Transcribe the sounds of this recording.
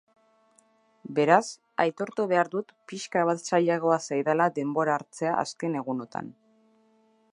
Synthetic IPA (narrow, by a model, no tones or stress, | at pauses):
be̞ɾas | a̰jt̪o̞ɾt̪uβe̞aɾðut̪piʃkaβ̞at̪saʎaɣo̞asajðalaðe̞mbo̞ɾaːɾt͡se̞aʔa̰ske̞ne̞ɣ̞uno̞t̪a̰n